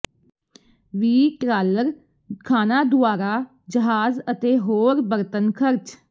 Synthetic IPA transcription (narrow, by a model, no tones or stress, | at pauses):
ʋiːʈɾaːləɾ | kʰaːnaːd̪ʊaːɾaː | d͡ʒəɦaːzət̪eːɦoːɾbəɾt̪ənkʰəɾt͡ʃ